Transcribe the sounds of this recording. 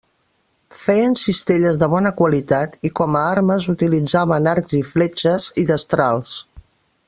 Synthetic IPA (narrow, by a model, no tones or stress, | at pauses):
fɛjənsist̪eʎəzðəβ̞ɔnəkwəlit̪at̪ikɔməaɾməzut̪ilid͡zaβənaɾɡziflɛt͡ʃəziðəst̪ɾalˠs